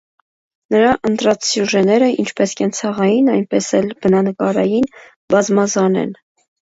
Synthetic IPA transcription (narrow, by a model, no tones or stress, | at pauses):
nəɾɑʔənt̪ɾɑt͡sʰsjuʒɛnɛɾəʔḭnt͡ʃʰpɛskʰɛnt͡sʰɑʁɑjinɑjnpɛsɛlb̥ənɑnəkɑɾɑjin | bɑzmɑzɑnɛ̰n